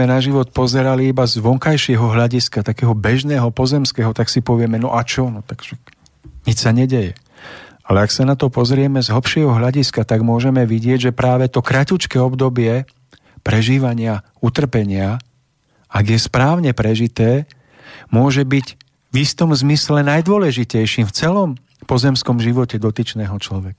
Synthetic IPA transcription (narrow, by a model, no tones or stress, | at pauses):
ɛnaʒiʋɔt̪̚pɔzɛɾaliibazʋɔŋkajʃɪɛɦɔɦʎaɟiskat̪akɛːɦɔbɛʒnɛːɦɔpɔzɛmskɛːɦɔt̪aksipɔʋɪɛmɛnɔ̰ʔat͡ʃɔnɔt̪aɡ̥ʃa | ɲit͡ʃsaɲɛɟɛjɛ | alɛaksanat̪ɔpɔzɾɪɛmɛzɦl̩pʃɪɛɦɔɦʎaɟiskat̪aɡmʊɔʒɛmɛʋiɟɪɛɟʒɛpɾaːʋɛt̪ɔkɾacut͡ʃkɛːɔbd̪ɔbɪɛ | pɾɛʒiːʋaɲɪa | ut̪r̩pɛɲɪa | aɡjɛspɾaːʊɲɛpɾɛʒit̪ɛː | mʊɔʒɛbiɟ | vist̪ɔmzmislɛnajd̪ʊɔlɛʒicɛjʃiːmft͡sɛlɔm | pɔzɛmskɔmʒiʋɔcɛd̪ɔt̪it͡ʃnɛːɦɔt͡ʃlɔʋɛkḁ